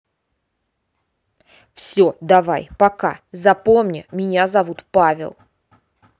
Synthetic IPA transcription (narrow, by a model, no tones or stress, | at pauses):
fsʲod̪ɐva̰jpɐka̰zɐpomnʲə̰mʲɪnʲazɐvut̪pavʲɪ̰lˠ